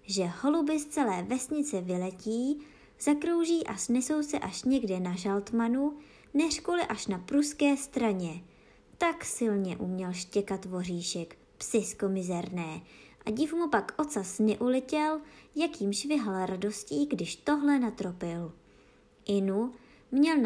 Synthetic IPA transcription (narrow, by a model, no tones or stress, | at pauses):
ʒɛho̞lubɪst͡sɛlɛːvɛsɲɪt͡sɛvɪlɛciː | z̥akɾo̞wʒiːʔasnɛso̞wsɛʔaʃɲɛɡdɛnaʒalt̪manu | nɛr̝kolɪʔaʃnapɾuskɛːst̪ɾaɲɛ | t̪aksɪlɲɛʔṵmɲɛlʃcɛkat̪vo̞riːʃɛk | psɪsko̞mɪzɛɾnɛːʔaɟɪfmupakʔo̞t͡sasnɛʔulɛcɛljakiːmʃvɪɦalɾado̞sciːɡdɪʃt̪o̞ɦlɛnat̪ɾo̞pɪl | ʔɪnu | mɲɛl